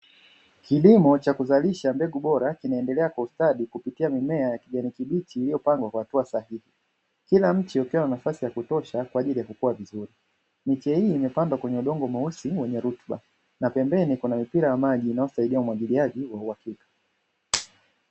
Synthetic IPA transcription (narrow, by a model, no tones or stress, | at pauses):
kʰilimɔt͡ʃakuzaliʃambɛɠuɓɔɾakinaɛndɛlɛakwaustaɗikupitiamimɛajakiʄanikiɓitiːlijɔpaŋɡwakwahatuasahihi | kilam̩t͡ʃiukiwananafasijakutɔʃakwaːʄilijakukuwavizuɾi | mit͡ʃɛhiːmɛpandwakwɛɲɛuɗɔŋɡɔmausiwɛɲɛɾutɓa̰ | napɛmbɛnikunamipiɾajamaʄiːnajɔsaiɗiaumwaʄiliaʄiwauhakikḁ